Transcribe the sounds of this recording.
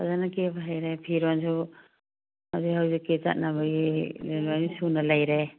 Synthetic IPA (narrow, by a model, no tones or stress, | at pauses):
a̰zanakebaɦajɾepʰiɾwansʰu | hawzihawzikːeza̰t̚nabɐɡilenwanisunɐlajɾe